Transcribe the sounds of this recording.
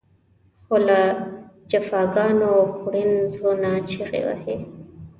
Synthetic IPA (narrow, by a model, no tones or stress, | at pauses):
xolad͡ʒafɑːɡɑnoxuɽinzɾonat͡ʃʰiɣḛwa̰he